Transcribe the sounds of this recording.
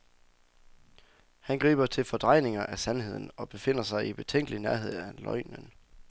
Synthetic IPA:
hænɡ̥ʁḭːb̥ɐt͡sʰe̝lfɒ̽d̥ʁɑ̈ɪne̝ŋɐʔæsænhe̝ð̞̰ˠn̩ɒ̽b̥e̝fe̝n̰ɐsɑ̈ɪib̥e̝t͡sʰeŋ̰ɡ̥əlinæɐɦe̝ð̞̰ˠælɒ̽ɪ̰nən

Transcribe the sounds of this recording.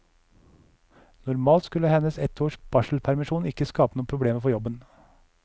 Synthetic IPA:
nʊɾmɑːlt̪skʉləhɛnəsɛt̪ʰoːʃb̥ɑʃl̩pʰæɾmɪʃuːnɪkəskɑːpənuːpʰɾʊbleːməfɔjɔbən

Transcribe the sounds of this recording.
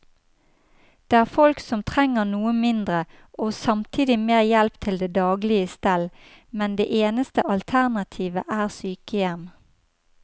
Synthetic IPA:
d̪̥eːæːʁfɔlksɔmt̪ʰʁɛŋəʁnuːəmɪnd̪ʁə | ʔoːsɑmt̪ʰiːd̪ɪmeːʁjɛlpt̪ʰɪld̪eːd̪ɑːɡlɪəst̪ɛl | mɛnd̪ḛːʔeːnəst̪əʔɑlt̪ʰæʁnɑt̪ʰiːʋə̰ʔæːʁsyːkəjɛm

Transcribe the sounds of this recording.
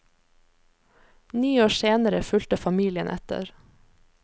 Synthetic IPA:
niːoːseːnəɾəfʉlt̪əfɑmiːlɪə̰nʔɛ̰t̪ə̰ɾ

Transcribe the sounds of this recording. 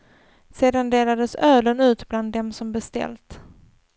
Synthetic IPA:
seːd̪and̪eːlad̪əsœːlənʉ̟ːt̪bland̪ːɛmsɔmbɛst̪ɛ̰lt̪

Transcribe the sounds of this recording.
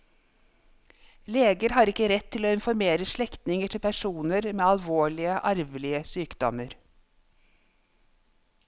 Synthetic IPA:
leːɡəɾhɑːɾɪkəɾɛt̪ʰːɪloːɪnfɔɾmeːɾəʃɭɛkt̪nɪŋəʈʰɪlpʰæʃuːnəɾmeːɑlʋoːɭɪəʔɑɾʋlɪəsyːkd̪ɔ̰məɾ

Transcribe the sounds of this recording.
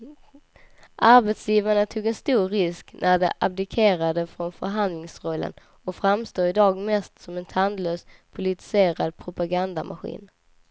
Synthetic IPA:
ʔaɾbɛt̪sjiːvaɳat̪ʰuːɡɛnst̪uːɾɾɪsknʔæɖɛ̰ʔab̚d̪ɪkʰeːɾad̪əfɾɔnfœɾɦand̪lɪŋsɾɔlːə̰n | ɔkfɾamst̪oːɪd̪ɑːɡmɛst̪sɔmɛnt̪ʰand̪løːspʰʊlɪt̪ɪ̥seːɾad̪̚pʰɾʊpaɡand̪amʔa̰ɧḭːn

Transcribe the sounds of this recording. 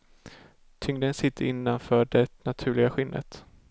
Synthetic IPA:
t̪ʰʏŋd̪ənsɪt̪ʰːəɾɪnːanfœːɖɛnat̪ʰʉ̟ːɭɪɡaɧɪnːʔə̰t̪

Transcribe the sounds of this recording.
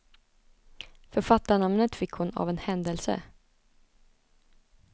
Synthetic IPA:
fœɾfat̪ːaɳamnət̪fɪkhʊna̰vɛnhɛnd̪əlsə̰

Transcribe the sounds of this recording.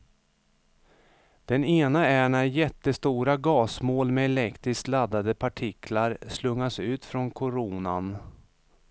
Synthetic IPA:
d̪̥ɛneːnaæɳæɾjɛt̪ːəst̪uːɾaɡɑːsmoːlmɛːlɛkt̪ɾɪsklad̪ːad̪əpʰaʈʰɪkʰlaɾslɵŋːasʉ̟ːt̪fɾɔnkʰʊɾuːna̰n

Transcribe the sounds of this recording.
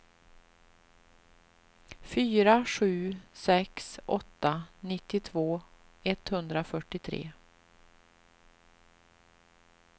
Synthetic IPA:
fyːɾaɧʉ̟ːsɛksʔɔt̪ːanɪt̪ːɪt̪ʰvoː | ɛt̪hɵnd̪ɾafœʈːɪt̪ʰɾḛː

